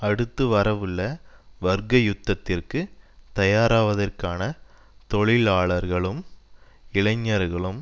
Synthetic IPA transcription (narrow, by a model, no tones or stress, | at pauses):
ɐɽɯt̪ːɯʋɐɾɐʋɯɭːɐʋɐɾɡɐjʊt̪ːɐt̪ːɪrkɯt̪ɐjaːɾaːʋɐðɐrkaːnɐ | t̪ɔɭɪlaːɭɐɾɣɐɭɯm | ɪɭɐɲːɐɾɣɐɭɯm